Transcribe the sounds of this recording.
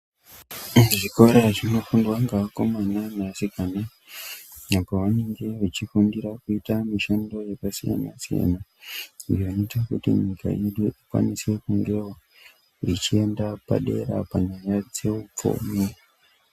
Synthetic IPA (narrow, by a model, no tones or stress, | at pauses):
ʐiko̞ɾeʐino̞fundwaŋɡako̞mananasikana | apo̞ʋane̞ŋɡe̞ʋat͡ʃifundiɾakuitamiʃando̞je̞pasija̰na̰sija̰nadonoitakutḭɲikʰa̰ʔeɗuikwa̰nise̞kuŋɡewo | it͡ʃie̞ndapa̰ɗe̞̰ɾa̰paɲajad͡ze̞up͡fo̰mi